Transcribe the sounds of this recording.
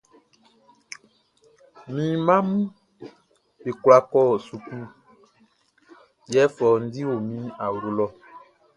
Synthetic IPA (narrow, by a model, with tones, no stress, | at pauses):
mĩ˨˦mã˦mũ˦ | be˨kwa˦kɔː˦˨su˨ku˦ | jɛ˨˦fɔ˨n̩˦di˦wo˨mĩ˨˦a˨wɾo˨lɔ˦